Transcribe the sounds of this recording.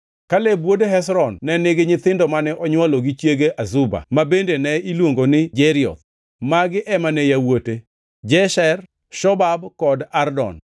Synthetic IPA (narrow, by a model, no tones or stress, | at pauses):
kalebwodeɦɛsɾɔnːɛnɪɡɪɲɪt̪ɪndɔmanɛʔɔɲwaloɡit͡ʃjeɡeʔazʊba̰mabendenɛilwoŋɡonɪd͡ʒɛɾɪɔ̰t̪̚ | maɡɪʔɛmanɛjawote | d͡ʒɛʃɛr | ʃɔbabkɔdardɔ̰n